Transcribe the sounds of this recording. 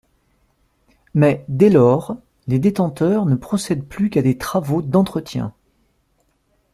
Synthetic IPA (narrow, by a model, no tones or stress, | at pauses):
mɛd̪ɛlɔʁ | led̪et̪ɑ̃t̪œʁnəpχɔsɛd̪plykad̪et̪χavod̪ɑ̃t̪χət̪jɛ̰̃